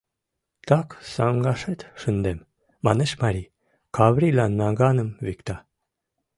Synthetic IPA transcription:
t̪ɑksɑŋɡɑʃet̪ʃənd̪emː | ɑneʃmɑɾʲi | kɑβɾilɑnːɑɡɑnəmvikt̪ɑ

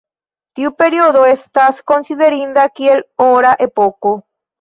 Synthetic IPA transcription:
t̪iupeɾioðoest̪asko̞nsiðeɾĩnd̪akielõɾaʔepoko

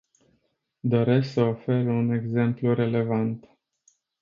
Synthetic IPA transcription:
d̪o̞ɾe̞sksəofe̞ɾəune̞ɡze̞mpluɾe̞le̞vant̪

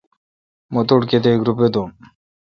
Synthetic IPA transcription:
mɔt̪oɽket̪eɡɾuped̪o

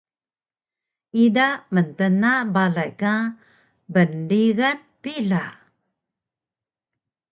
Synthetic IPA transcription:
idaməntənabalajka | bənɖiɣan | pila

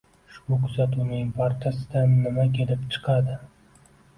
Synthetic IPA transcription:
ʃʊkʰʊzat̪ʰunɪŋpʰaɾt͡ʃʰasɪd̪anːɪmakʲʰe̞lɪpt͡ʃʰɨ̥qʰɑd̪ɪ

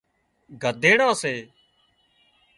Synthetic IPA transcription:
ɡʱəd̪ʱeːɽãːseː

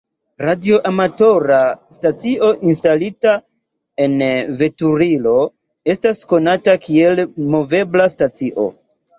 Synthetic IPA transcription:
ɾadio̞ʔamato̞ɾastat͡siʔo̞ʔinstalita | e̞nve̞tuɾilo̞ | e̞stasko̞natakie̞lmo̞ve̞blastat͡siʔo̞̰

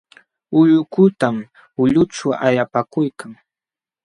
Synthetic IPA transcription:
ʊʎʊkʊt̪am | ʊʎʊʈ͡ʂʊʔa̰japakʊjkaŋ

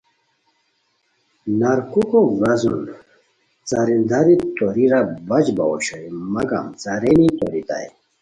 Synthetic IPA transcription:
naɾkukoɡɐzṵn | t͡saɾind̪aɾit̪oɾiɾabɐd͡ʑbaɔɕɔimɐɡa̰mt͡saɾenit̪o̰ɾit̪a̰j

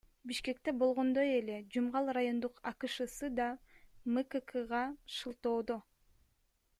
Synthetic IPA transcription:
biʃke̞k̚t̪e̞bo̞lˠʁo̞nd̪o̞je̞le̞d͡ʒumʁɑlˠrajo̞nd̪uqɑkɯʃɯsɯd̪ɑmɨkɨkʰɯʁɑʃɯlˠt̪o̞ːd̪o

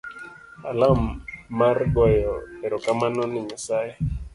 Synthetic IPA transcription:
alamːarɡɔjɔɛɾɔkamanɔnɪɲasaɛ

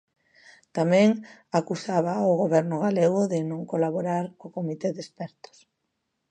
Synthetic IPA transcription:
t̪amɛ̃ŋakusaβ̞aoɣoβɛɾnʊɣaleɣ̞ʊðɪnõŋkolaβoɾaɾkokomit̪eðespɛɾt̪ʊ̥s

